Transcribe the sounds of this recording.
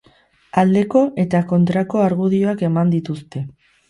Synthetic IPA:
ald̪e̞ko̞ʔe̞t̪ako̞nt̪ɾako̞aɾɣuð̞io̞ake̞mand̪it̪ust̪e̞

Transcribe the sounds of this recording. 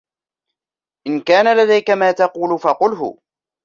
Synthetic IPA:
ʔɪnkaːnalad̪ajkamaːt̪ɑquːlfɑqʊlɦʊ̰

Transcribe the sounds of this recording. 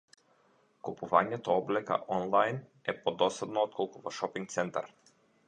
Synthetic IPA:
kupuvaɲɛt̪ɔɔblɛka̰ʔɔnlˠajnɛpɔd̪ɔsad̪nɔɔt̪̚kʰɔlˠkuvɔʃɔpiŋkt̪sɛnt̪a̰ɾ

